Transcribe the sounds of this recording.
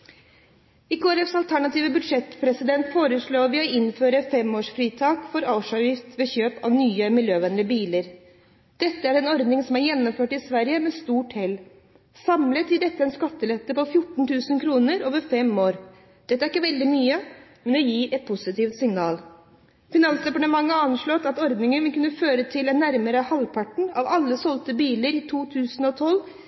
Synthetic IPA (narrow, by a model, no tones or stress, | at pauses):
ɪɡoːɾɛfsɑlt̪ʰæɳɑt̪iːʋəbʉd̪ʂɛt̪pʰɾɛsɪd̪ɛnt̪foːɾəʂɭoːʋɪɔɪnføːɾəfɛmoːʂfɾiːt̪ʰɑːkfɔɾɑʊʂɑʋjɪft̪ʋɛçøːpɑ̰ʋnyːəmɪljøːʋɛnlɪəbiːləɾ | d̪̥ɛt̪ːəæɾɛnɔɾd̪nɪŋsɔmæɾjɛnːɔmføːʈɪsʋæɾjəmɛst̪uːʈhɛlː | sɑmlət̪jɪd̪ɛt̪ːəɛnskɑt̪ːəlɛt̪ːəpɔfjʊʈːɳ̩t̪ʰʉːsənkʰɾuːnəɾoːʋəɾfɛmoːɾ | d̪̥ɛt̪ːæɾɪkːəʋɛld̪ɪmyːəmɛnd̪ɛjiːɾɛt̪̚pʰʊsɪt̪iːft̪sɪŋnɑːl | fɪnɑnsd̪ɛpɑʈəmɑŋːəɑnʂɭɔt̪ɑt̪ɔɾd̪nɪŋənʋɪlkʉnːəføːɾət̪ʰɪlɛnːæɾməɾəhɑlpʰɑʈɳ̩ɑʋɑlːəsɔlt̪əbiːləɾɪt̪ʰuːt̪ʰʉːsən̩ɔt̪ʰɔlː